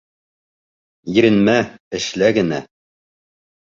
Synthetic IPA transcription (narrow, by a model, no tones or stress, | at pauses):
jɘ̆ɾɘ̆nmæɘ̆ʃlæɡɘ̆næ